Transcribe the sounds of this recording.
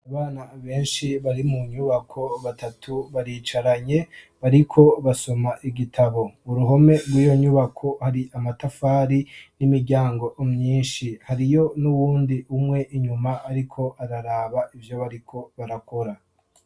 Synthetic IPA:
aβaːnaβe̞ːnʃiβaɾimuɲuβakʰo̞βatatʰuβaɾiːt͡ʃaɾaɲe̞ | βaɾikʰo̞βaso̞maʔiɡitʰaβo̞uɾuɦo̞me̞ɾɡwiːjo̞ɲuβakʰo̞haɾiʔamatafaːɾinimiɾɟaːŋɡo̞ʔomɲiːʃihaɾijo̞nuβuːndiumŋe̞ʔiɲumaʔːɾikʰo̞ʔaɾaɾaːβaʔivjo̞βaɾikʰo̞βaɾako̞ɾa

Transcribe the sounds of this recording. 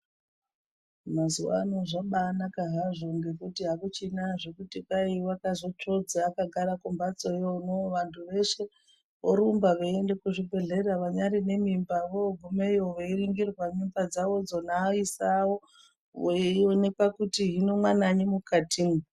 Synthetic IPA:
mazuwa̰ːnoʐaɓaːnakaɦaʐo̞ŋɡe̞kutiɦakut͡ʃinaʐekutikaiwakazo̞t͡ʃo̞d͡zaːkaɡʱaɾakombat͡so̞jonoʋantʰuʋe̞ʃe̞ | ʋo̰ɾumbaʋeendekuʐibʱe̞ɮe̞raʋaɲaɾine̞mimbaʋoɡʱumeoʋoiriŋɡirwaɲumbad͡zaʋo̞d͡zo̞naisawo̞ | oione̞pakutiɦino̞mwanaɲemukatʰini

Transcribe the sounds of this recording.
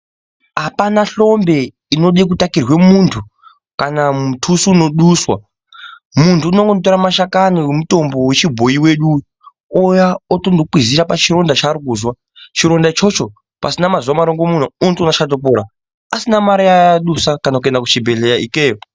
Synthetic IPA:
ɦapanaɬo̞mbe̞ | ino̞ɗik̬utakirwe̞muntʰu | kanamutʰusuːno̞ɗuswa | muntʰuːnoŋɡonot̬oɾamaʃakaniwemuto̞mbowe̞t͡ʃibʱo̞iwe̞ɗu | ojaotondok͡piziɾapat͡ʃiro̞ndat͡ʃaɾikuːzwa | t͡ʃiɾo̞ndat͡ʃo̞t͡ʃo̞ | pa̰sinamazwamaɾoŋɡomun̤uutunaʃat̬op̬oɾa | asinamaɾijaɗusakanakuendakut͡ʃibʱe̞ɮe̞jaikeːjo

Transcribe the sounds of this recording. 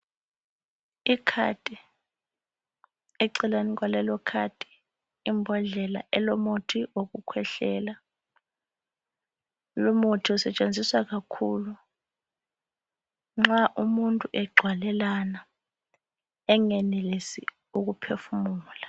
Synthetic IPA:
ikʰa̰tʼi | ɛǀɛlanik̬walɛlɔkʰatʼi̥ː | mbʱɔɮɛla̰ʔɛlomotʰiwok̬ukʰwɛɬɛːla | lomotʰiɔsɛt͡ʃʼend͡zʱiswak̬akʰulu | ŋ͡ǁaʔumuntʼuʔɛɡ͡ǀʱwalɛlana | ɛŋɛnelesi | uk̬upʰefumuːla

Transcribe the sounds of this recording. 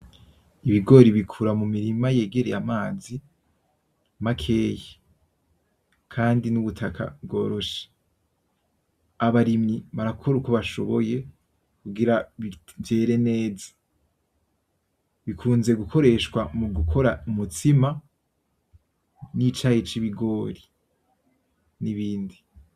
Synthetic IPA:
iβiɡo̞ɾiβikʰuɾamumiɾimaje̞ːɡe̞ɾejamaːzi | makʰe̞ːje | kʰaːndinuβutʰakʰa̰bɡo̞ːɾo̞ʃe̥ | aβaɾimiβaɾakʰoɾukoβaʃo̞βo̞je̞ | kuɡiɾaβivje̞ɾe̞ne̞ːzḁ | βikʰuːnze̞ɡukʰo̞ɾe̞ʃkwamuɡukʰo̞ɾaumutima | nit͡ʃahet͡ʃiβiɡo̞ːɾi | niβiːndi

